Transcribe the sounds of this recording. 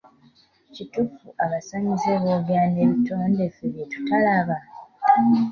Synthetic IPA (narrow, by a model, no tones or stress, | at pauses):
citufuaβasaɲizeβoːβjaːne̞βito̞ːnde̞feβjetu̥talaβa